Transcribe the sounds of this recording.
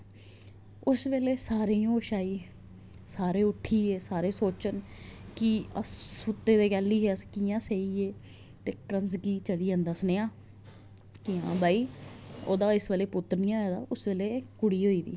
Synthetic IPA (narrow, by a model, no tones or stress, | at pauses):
ʊsʋeːleːsaːɾiːoːʃaːiː | saːɾeːʊʈʰːiːeːsaːɾeːsoːt͡ʃənkɪəsːʊt̪ːeːd̪eːkɛːlːiːɦeːəskiːãːseːiːeː | t̪eːkənsɡiːt͡ʃəliːə̃nd̪əsneːãː | kiːã̰ːbaːiːo̰ːd̪aːɪsʋeːleːpʊt̪ːəɾnijãːɛːd̪a̰ːʊsʋeːleːkʊɽiːɦoːiːd̪ḭː